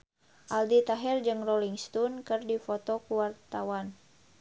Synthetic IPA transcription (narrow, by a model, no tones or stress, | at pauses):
ʔaldit̪aɦɛrd͡ʒɨŋroliŋst̪ɔnkɨrdifot̪ɔkuwart̪awan